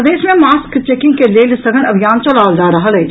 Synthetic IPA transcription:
d̪eːʃmẽmaːskt͡ʃeːkɪ̃ŋɡkeleːlsɐɡənɐbʱijaːnt͡ʃolaːld͡ʒaːɾɐɦaleː

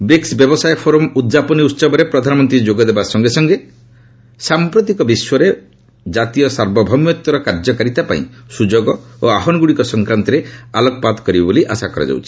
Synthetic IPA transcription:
beksbjɔbɔsajpʰoɾɔmud̪d͡ʒapɔniut̪ːsɔbɔɾepɾɔd̪ʱanɔmɔnt̪ɾid͡ʒoɡɔd̪ebasɔŋɡesɔŋɡe | sampɾɔt̪ikɔbiswɔɾe | d͡ʒat̪ijɔsaɾbɔbʱɔmjɔt̪wɔɾɔkaɾd͡ʒɔkaɾit̪apa̰ḭ̃sud͡ʒoɡɔoaɦɔnɔɡuɽikɔsɔŋkɾant̪ɔɾealɔkɔpad̪kɔɾibaboliʔa̰sakɔɾa̰d͡ʒa̰wt͡ʃʰi̥

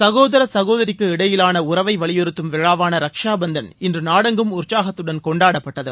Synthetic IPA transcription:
sɐɣoːðɐɾɐsɐɣoːðɐɾɪkːɯɪɽɐjɪlaːnɐʊrɐʋɐɪʋɐɭɪjɾɯt̪ːɯmʋɛɻaːʋaːnɐɾɐkʂaːbɐnd̪ɐnɪndrɯnaːɽɐŋɡɯmʊrt͡ʃaːɣɐt̪ːɯɽɐnkɔɳɖaːɽɐpːɐʈːɐðɯ̰

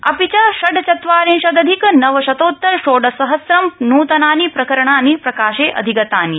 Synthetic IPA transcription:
ɐ̰pit͡ʃaʃɐɖt͡ʃɐt̪ʋaːɾĩnʃɐd̪ɐd̪ʱiknɐʋɐʃɐt̪oːt̪ːɐɾʃoːɖɐsɐɦɐsɾɐmnuːt̪ɐnaːnipɾɐkɐɾɐɳaːnipɾɐkaːʃeːʔɐ̰d̪ʱiɡɐt̪aːni

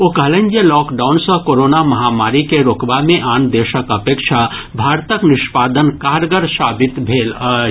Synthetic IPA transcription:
okələ̃ɲd͡ʒjəlɔːkɖaːʊnsə̃koːɾoːnamɐɦamaːɾikeɾoːkbamẽʔaːnd̪eːʃəkəpeːkʃʰabʱaːɾt̪əknɪʃpaːd̪ənkaːɾɡəɾsaːbɪt̪bʱeːlə

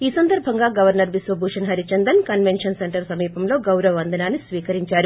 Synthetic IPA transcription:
iːsɐnd̪ɐɾbʱɐŋɡaːɡɐʋɐɾnɐɾʋisʋɐbʱuːʂɐnɦɐɾit͡ʃɐnd̪ɐnkɐnʋe̞nʂɐnseɳʈɐɾsɐmiːpɐmlo̞ːɡɐwɾɐʋɐɐnd̪ɐnaːnːisʋiːkɐɾiɲt͡ʃaːɾu

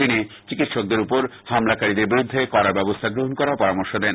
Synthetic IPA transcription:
ini | t͡ɕikit̪ʃok̚d̪eɾupoɾ | hamlakaɾid̪eɾbiɾud̪ʱːekɔɾaɾbɛbost̪ʰaɡɾoɦonkɔɾaopɔɾamoɾʃod̪ɛn

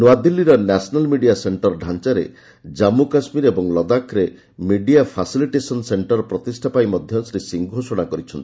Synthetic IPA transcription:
nad̪ilːiɾɔnasɔnalmiɖijaseɳʈɔɾɖʱant͡ʃaɾḛ | d͡ʒamukasmiɾebɔŋlɔd̪akʰɾe | miɖijapʰasiliʈesɔnseɳʈɔɾpɾɔt̪isʈʰapajmɔd̪ʱjɔnsɾisiŋɡʱosoɽ̃akɔɾit͡ʃʰɔnt̪i̥

